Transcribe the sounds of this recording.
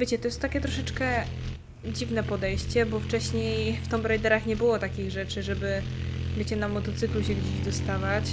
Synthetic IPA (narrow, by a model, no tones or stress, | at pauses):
vʲjet͡ɕɛt̪ɔjɛst̪t̪ːakʲɛt̪ɾɔʂɛt͡ʂkɛ | d͡ʑivnɛpɔd̪ɛjɕt͡ɕɛbɔft͡ʂɛɕɲejft̪ɔmbɾɛjd̪ɛɾaxɲɛbɘwɔt̪akʲiɣʐɛt͡ʂɘʐɛbɘ | vʲjet͡ɕɛnamɔt̪ɔt̪sɘkluɕɛɡd͡ʑeʑd̪ɔst̪avat͡ɕ